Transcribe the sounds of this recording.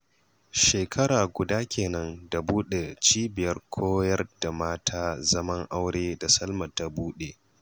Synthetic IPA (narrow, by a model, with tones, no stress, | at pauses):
ʃeː˨kʰɐ˦ɽaː˨ɡʷʊ˨daː˦kʲeː˨nɐ˦nda˨buː˦ɗe˨t͡ʃiː˦bɪ˨jɐ˦rkʷʰoː˦jɐ˦rda˨maː˦tʰaː˦zɐ˦mɐ˦ŋʔa˦wɽeː˦da˨sɐ˦lmɐ˨ta˨buː˦ɗeː˨